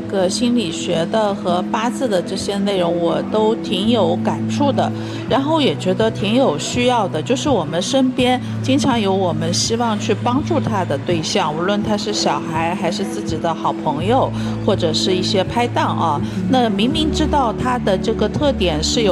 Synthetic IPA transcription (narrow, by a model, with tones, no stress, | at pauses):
ɡə˩ɕi˥nli˨˩ɕɥɛ˧˥d̪ə˧xɤ˧˥pa˥t͡sɹ̩˥˩d̪ə˩ʈ͡ʂɤ˥˩ɕjɛ˥ne˥˩ɪɻʊ˧˥ŋwɔ˨˩t̪o˥ʊt̪ʰi˧˥ŋjo˧˥ʊka˨˩nʈ͡ʂʰu˥˩d̪ə˩ | ɻa˧˥nxo˥˩ʊjɛ˨˩t͡ɕɥɛ˧˥d̪ə˧t̪ʰi˧˥ŋjo˨˩ʊɕy˥jɑ˥˩ʊd̪ə˩t͡ɕjo˥˧ʊʂɻ̩˥˩wɔ˨˩mə˦nʂə˥npjɛ˥n | t͡ɕi˥ŋʈ͡ʂʰɑ˧˥ŋjo˧˥ʊwɔ˨˩mə˦nɕi˥wɑ˥˧ŋt͡ɕʰy˥˩pɑ˥ŋʈ͡ʂu˥˩t̪ʰa˥d̪ə˨t̪we˥˧ɪɕjɑ˥˩ŋu˧˥lwə˥˩nt̪ʰa˥ʂɻ̩˥˩ɕjɑ˨˩ʊxa˧˥ɪxa˧˥ɪʂɻ̩˥˧t͡sɹ̩˥˩t͡ɕi˨˩d̪ə˦xɑ˨˩ʊpʰɤ˧˥ŋjo˨˧ʊ | xwɔ˥˩ʈ͡ʂɤ˨˩ʂɻ̩˥˧i˥˩ɕjɛ˥pʰa˥ɪt̪ɑ˥˩ŋʔɐ˧na˥˩mi˧˥ŋli˧˥ŋʈ͡ʂɻ̩˥t̪ɑ˥˩ʊt̪ʰa˥d̪ə˨ʈ͡ʂɤ˥˩ɡə˩t̪ʰɤ˥˩t̪jɛ˨˩nʂɻ̩˥˩jo˨˩